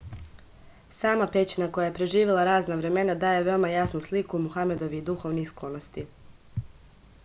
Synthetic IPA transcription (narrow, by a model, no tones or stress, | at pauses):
saːmapet͡ɕinako̞jajepɾe̞ʒiːʋelˠaɾaːznaʋɾe̞me̞nad̪aːje̞ʋe̞omajasnuslikuːmuxame̞d̪o̞ʋid̪uxo̞ʋnixsklˠonost̪i